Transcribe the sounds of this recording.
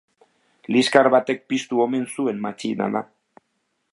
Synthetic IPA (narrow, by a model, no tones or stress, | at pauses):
liskaɾβat̪e̞k̚pist̪uo̞me̞nsue̞nmat͡ʃina̰la̰